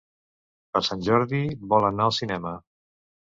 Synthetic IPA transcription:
pəɾsanʲʒɔɾðiβɔlənaəlˠsinɛmə

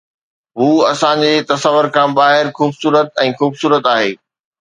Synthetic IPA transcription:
ɦuːɐsãd͡ʑeːt̪ɐsəʋəɾkãːbaːɦɪɾxuːbsuːɾət̪̚ɛ̃ːxuːbsuːɾət̪aːɦḛː

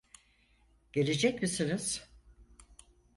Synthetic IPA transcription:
ɟ̥e̞lʲe̞d͡ʒɛcmisiniz̥

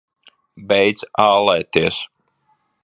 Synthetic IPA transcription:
bɛjd̪zaːlˠɛjt̪iɛs

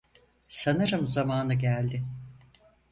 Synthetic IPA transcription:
sanɯɾɯmzamaːnɯɟælʲd̪ɪ

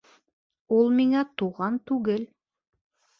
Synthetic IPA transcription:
ulˠmiŋæt̪uʁɑnt̪ʉɡɘl

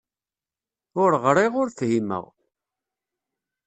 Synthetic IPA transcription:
ʊɾʁɾˤɪʁʊɾθhimə̰ʁ

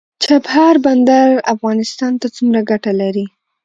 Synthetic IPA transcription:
t͡ʃaphɑɾband̪aɾa̰fɣɑnɪst̪ɑnt̪at͡sumɾaɡaʈalaɾi

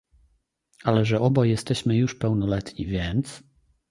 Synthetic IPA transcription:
alɛʐɛɔbɔjɛst̪ɛɕmɘjuʂpɛwnɔlɛt̪ɲḭvʲjɛnt̪s

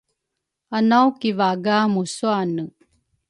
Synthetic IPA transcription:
anawkivaɡamusuanə

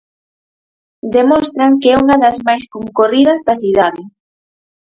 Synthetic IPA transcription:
d̪emɔst̪ɾɐŋkɛuŋɐðɐzmajskoŋkorið̞ɐzd̪ɐθiðaðɪ

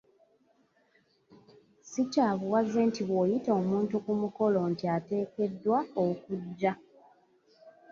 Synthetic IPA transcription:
sicaːβuwazentiβwoːjito̞ːmuːntukumuko̞lo̞ːntiate̞ːke̞dːwaokuɟːa

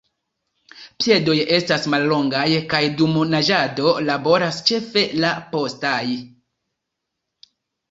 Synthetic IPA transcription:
pije̞do̞je̞stasmalːo̞ŋɡajkajdumonaʒado̞labo̞ɾast͡ʃe̞fe̞lapo̞staj

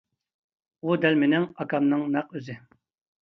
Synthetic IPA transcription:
ud̪ɛlmɪnɪŋɑkʰɑmnɨŋnɑqøzɪ

